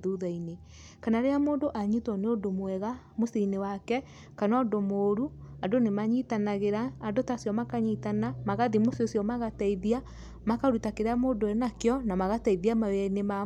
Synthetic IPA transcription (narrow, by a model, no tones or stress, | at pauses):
ðuðaine | kanaɾeamoːndoʔaɲitwɔneondomwɛɣa | mosinewakɛ | kanɔːndomoːɾuadonemaɲitanaɣeɾaːndotasjɔmakaɲitanamaɣaðimososjɔmaɣataiðia | makaɾutakeɾeamoːdoɛnakjɔnamaɣataiðiamawɛnema